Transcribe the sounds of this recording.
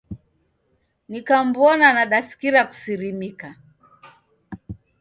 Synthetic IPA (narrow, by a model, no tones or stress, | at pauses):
nikam̩bɔnanaɗasi̥kiɾaku̥siɾimika